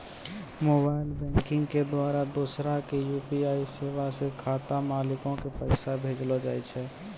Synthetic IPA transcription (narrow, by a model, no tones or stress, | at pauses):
mobaɪlbɛ̃ŋkɪ̃ŋɡked̪waɾad̪osɾakejupiaisebasekʰat̪amalɪkõkepəɪsabʱed͡ʒlɔd͡ʒaːjt͡ʃʰɛ